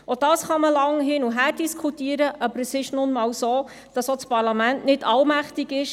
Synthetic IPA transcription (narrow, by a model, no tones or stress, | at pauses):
ɔd̥ɑːsχɑməlɑŋɦɪnuɦæːɾd̥iskʰχutiəɾəʔɑbəɾəsɪʃnʊnmɑːwsoː | d̥ɑsot͡spɑɾlɑmæntnɪdɑlmæχtiɡɪʃ